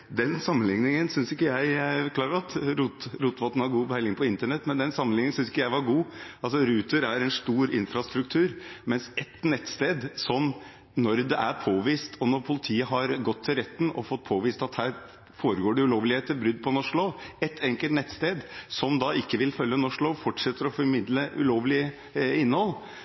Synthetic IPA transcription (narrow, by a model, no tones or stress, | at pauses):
d̪ɛnsɑmːənlɪŋnɪŋənsʏnsɪkːəjæɪkʰlɑːɾəɾɑt̪ɾuːt̪ɾuːt̪ʋɔt̪ən̩hɑɾɡuːbəæɪlɪŋpʰɔɪnt̪əɳɛt̪ːmɛnd̪ɛnsɑmːənlɪŋnɪənsʏnsɪ̥kːəjæɪʋɑɾɡuːɑlsɔɾʉːt̪əɾæɾɛnst̪uːɾɪnfɾɑst̪ɾʉk̚t̪ʰʉːɾmɛnsɛt̪ːnɛt̪ːst̪eːd̪sɔm | nɔɾd̪ɛʔæɾpʰoːʋiːst̪ʰɔnɔɾpʰʊlɪt̪ʰiːəɦɑɾɡɔt̪ʰːɪlɾɛt̪ːnɔ̰fɔt̪̚ːpʰoːʋiːst̪ɑt̪hæːɾ | foːɾəɡoːɖɛʉloːʋlɪheːt̪əɾbɾʏd̪̚ːpʰɔnɔʂloːɛt̪ʰːɛŋkəlt̪nɛt̪st̪eːd̪sɔmd̪ɑɪkːəʋɪlfœlːənɔʂɭoːfɔʈʂɛt̪ːəɾɔfɔɾmɪd̪ləʔʉ̰loːʋlɪə | ɪnːəhɔlː